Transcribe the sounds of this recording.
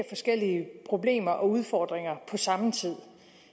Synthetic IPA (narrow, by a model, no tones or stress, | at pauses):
fɒ̽sɡ̥el̰iəpʰʁo̝ble̝̰ːmɐʔɒ̽uð̞ˠfɒːd̥ʁeŋɐpʰɒ̽sɑ̈mt͡sʰið̰ˠ